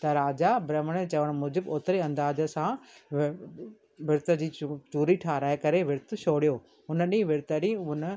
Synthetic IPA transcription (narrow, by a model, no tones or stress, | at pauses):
t̪ɐɾaːd͡ʑabɾɐmɽ̃et͡ɕɐʋəɽ̃mʊːd͡ʑɪboːt̪ɪɾeɐ̃nd̪aːzə̆sã | ʋɪɾt̪ə̆d͡ʑiːt͡ɕuːɾiʈʰaːɾaːekɐɾeʋɪɾt̪̆ʃoːɽijoː | ɦʊnə̆ɗiĩʋɪɾt̪əɾiʊnə